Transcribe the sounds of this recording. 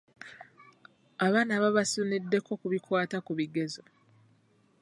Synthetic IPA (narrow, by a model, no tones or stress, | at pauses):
aβaːnaβaβasunidːe̞ko̞kuβikwaːtakuβiɡe̞zo̞